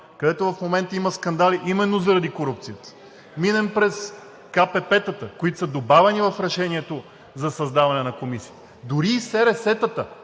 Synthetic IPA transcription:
kɐd̪ɛt̪ovɐfmomɛnt̪əiməskɐnd̪aliʔimɛnːozɐɾɐd̪ikoɾup̚t̪sijət̪ə̥ | minɛmpɾɛs | kapɛpɛt̪ət̪əkoit̪o̥səd̪obavɛnivɐfɾɛʃɛnʲiɛt̪o | zɐsɐzd̪avɐnɛnɐkomisiət̪ | d̪ʊɾiːsɛɾɛsɛt̪ət̪ə

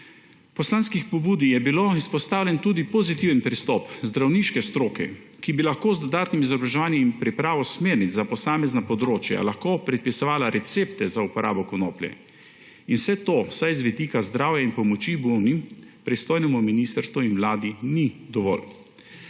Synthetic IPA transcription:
pɔslaːnskixpɔbuːd̪ijɛbiloispɔst̪aːwlʲjɛnt̪uːd̪ipɔzit̪iwənpɾist̪ɔpzd̪ɾawniʃkɛst̪ɾoːkɛ̰ | kibilaxkoːzd̪ɔd̪aːt̪nimizɔbɾaʒɛʋaːnjɛmimpɾipɾaːʋɔsmeːɾnit̪zapɔsaːmɛznapɔd̪ɾoːt͡ʃja̰laxkopɾɛt̪̚pisɔʋaːlaɾɛt̪seːpt̪ɛzaupɔɾʔa̰ːbɔkɔno̰ːpljɛ̰ | inwsɛt̪osajzʋɛd̪ikazd̪ɾaːwjainpɔmɔt͡ʃibuwnimpɾist̪oːjnɛmuminiːst̪əɾst̪ʋuinʋlaːd̪inid̪ɔʋɔ̰l

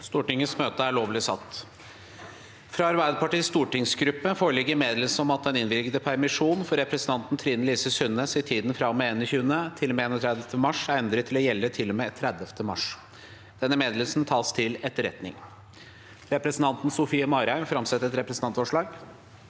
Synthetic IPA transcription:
st̪uːʈɪŋəsmøːt̪əæɭoːʋlɪsɑt̪ː | fɾɑɑɾʋæd̪pʰɑʈiːst̪uːʈɪŋsɡɾʉpːəfoːɾəɭɪɡːəɾmeːd̪ləls̩ɔmɑt̪̚d̪ɛnɪnʋɪlkəd̪əpʰæɾmɪʂuːnfɔɾːɛpɾɛsnʰɑnt̪n̩t̪ʰɾiːd̪nnliːsəsʉnːəsɪt̪ʰiːd̪nfɾɑmɛeːnɔçʉːənət̪ʰɪlɔmeeːnɔt̪ʰɾæd̪ləft̪ʰəmɑʂæɾɛnd̪ɾət̪ʰːɪlɔjɛlːət̪ʰɪlːɔmet̪ʰɾæd̪əft̪ʰəmɑʂ | d̪̥ɛnːəmeːd̪ləlsn̩t̪ʰɑːst̪ʰɪlɛt̪ːəɾɛ̰t̪nɪ̰ŋ | ɾɛpɾɛsn̩t̪ɑnt̪n̩sʊfiːəmɑɾæɪmfɾɑmsɛt̪ːɛt̪ɾɛpɾɛsn̩ɑnt̪fɔʂɭɑːɡ

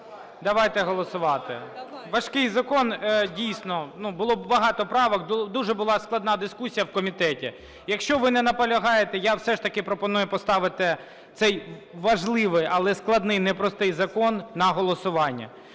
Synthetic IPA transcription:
d̪ɐʋɑjt̪ɛɦɔlˠɔsʊʋɑt̪ɪʋɐʃkɪjzɐkɔndʲijsnɔnubʊlˠɔbɐɦɑt̪ɔpɾɑʋɔkd̪uʒɛbʊlˠɑsklˠɐd̪nɑd̪ɪskusʲijɐwkɔmʲit̪ɛtʲi | jɐkʃt͡ʃɔʋɪnɛnɐpɔlʲɐɦɑjet̪ɛjawsɛʃt̪ɐkɪpɾɔpɔnujʊpɔst̪ɑʋɪt̪ɪ | t̪sɛjʋɐʒlˠɪʋɪjʔɐlˠɛsklˠɐd̪nɪjnɛpɾɔst̪ɪjzɐkɔnːɐɦɔlˠɔsʊʋɑnʲːɐ̰

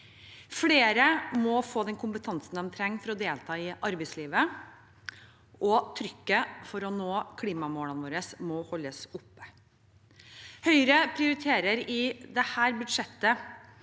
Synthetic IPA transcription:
fleːɾəmɔfoːd̪ɛnkʰʊmpət̪ʰɑnsn̩d̪ɛmt̪ʰɾɛŋːfɔɾɔd̪eːlt̪ʰɑːɪʔɑɾbɛɪsliːʋə | ʔɔt̪ʰɾʏkːəfɔɾɔnoːkʰliːmɑmoːlənʋoːɾəsmɔhɔlːəsʊpːə | hœʏɾəpʰɾɪʊɾɪt̪ʰeːɾəɾɪd̪ɛhæːɾbʉd̪ʂɛt̪ːə

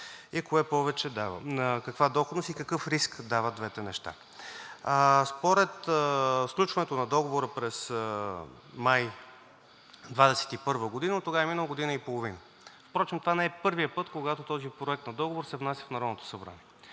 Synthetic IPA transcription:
ikoɛpɔvɛt͡ʃɛd̪anəkɐkvad̪ɔxod̪nost̪ikɐkɤfɾiskd̪avət̪d̪vɛt̪ɛnɛʃt̪a̰ | spoɾɛt̪fsklʲut͡ʃvɐnɛt̪onɐd̪ɔɡovoɾəpɾɛs | maj | d̪vad̪ɛsɛ̥t̪ipɤɾvəɡod̪inət̪oɡavɛminəlˠəɡod̪inəipolˠovinə | fpɾɔt͡ʃɛmt̪ovanɛɛpɤɾvijəpɤt̪koɡat̪ot̪ɔzipɾoɛk̚t̪nɐd̪ɔɡovoɾsɛvnasʲəfnɐɾɔd̪not̪o̥sɐbɾa̰niɛ

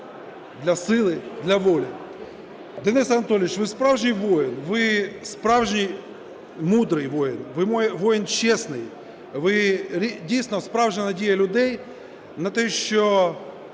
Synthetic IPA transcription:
d̪lʲɐsɪlˠɪd̪lʲɐʋolʲɪ | d̪ɛnɪsɐnɐt̪olʲɪʋʲɪt͡ɕʋɨspɾavʐnʲɪjʋojɪnʋɪspɾavʐnʲɪj | mud̪ɾɨjʋojɪnʋɨmoʋojɪnt͡ɕːesnɨj | ʋɪɾʲidʲijsʲnɐspɾavʐɨnɐdʲejɐlʲʊd̪ɛj | nɐt̪ɛɕːo

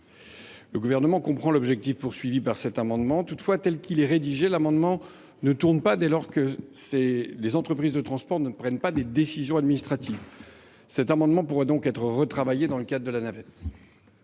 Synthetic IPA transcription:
ləɡuvɛʁnəmɑ̃kɔ̃pχɑ̃lɔbʒɛk̚t̪ifpuʁsɥivipaʁsɛt̪amɑ̃d̪mɑ̃t̪ut̪fwat̪ɛlkʲilɛʁed̪iʒɛlamɑ̃d̪mɑ̃ | nət̪uʁnpad̪ɛlɔʁkəselezɑ̃t̪χəpχizd̪ət̪χɑ̃spɔʁnəpχɛnpad̪ed̪esizjɔ̃ad̪minist̪χat̪iv | sɛt̪amɑ̃d̪mɑ̃puʁɛd̪ɔ̃kɛt̪χəʁət̪χavajed̪ɑ̃ləkad̪ʁəd̪əlanavɛt̪

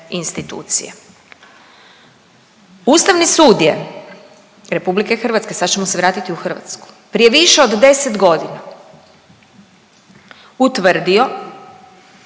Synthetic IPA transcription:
inst̪it̪ṵːt̪sḭjḛ | uːst̪aʋnisuːd̪je | ɾe̞publike̞xr̩ʋat̪ske̞sad̪t͡ɕemoseʋɾaːt̪it̪iuxr̩ʋa̰t̪sku̥ | pɾije̞ʋiʃeod̪d̪e̞set̪ɡo̞d̪ina | ut̪ʋr̩d̪io̞

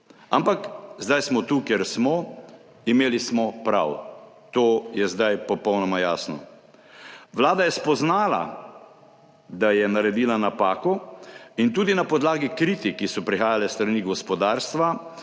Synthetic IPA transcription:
a̰mpakzd̪ajsmɔt̪uːkjɛɾsmɔ | imeːlismɔpɾa̰w | t̪oːjɛzd̪ajpɔpɔwnɔmajaːsnɔ | ʋlaːd̪ajɛspɔznaːla̰ | d̪ajɛnaɾɛd̪iːlanapaːkɔint̪uːd̪inapɔd̪laːɡikɾiːt̪ikisɔpɾixaːjalɛst̪ɾaniːɡɔspɔd̪aːɾst̪ʋa

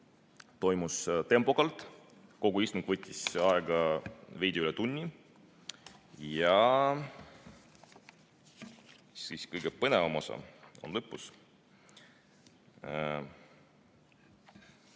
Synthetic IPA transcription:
t̪o̞jmust̪e̞mpˑo̞kɑlt̪ˑ | ko̞ɡ̥uist̪uŋɡ̥vɤt̪ʲːisɑɛɡ̥ɑve̞jd̪̥ʲeylɛt̪unʲːi | jɑ | siskɤjɡ̥epɤnevɑmo̞sɑ̰o̞̰nlɤpːˑus

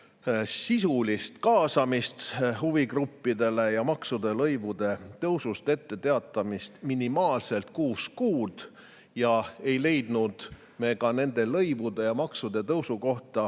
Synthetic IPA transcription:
sisulist̪kɑːsɑmist̪huvikrupːid̪e̞le̞jɑmɑksud̪̥e̞lɤjvud̪e̞t̪ɤwsust̪e̞t̪ːe̞t̪e̞ɑt̪ːˑɑmist̪minimɑːlse̞lt̪̚kuːskuːd̪̥ | jɑe̞jle̞jd̪nud̪̥ | me̞ːkɑne̞nd̪̥e̞lɤjvud̪e̞jɑmɑksud̪̥e̞t̪ɤwsuko̞ht̪ɑ

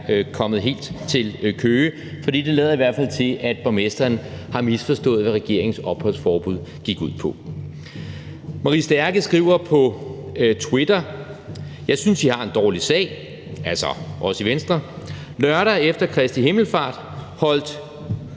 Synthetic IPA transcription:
kʰɒ̽mð̞̩ˠɦe̝̰ːld̥t͡sʰe̝lkʰøː | fɒd̥ḭːd̥e̝lɛːð̞ˠɐiʋæɐ̰d̥fæl̰t͡sʰe̝ʔæd̥̚b̥ɑmesd̥ɐːnhɑ̈misfɒ̽sd̥ɔ̰̽ːð̩ˠʋæʁɛɡ̥e̝ɐ̰eŋ̩sɒ̽b̥hɔlsfɒːb̥uð̰ˠɡ̥iɡ̥uð̰ˠpʰɒ̽ | mɑ̈ʁisd̥æɐɡ̥əsɡ̥ʁiːʊ̰ɐpʰɒ̽t͡sʰwed̥ɐ | jɑ̈ɪsynsihɑ̈e̝nd̥ɒːlisɛ̰ːɪ | ælsɒʔɒ̽səiʋensd̥ʁɐ | lɶɐɾæefd̥ɐkʰʁɛsd̥iɦe̝ml̩fɑ̰̈ːd̥ | hɒ̽l̰d̥

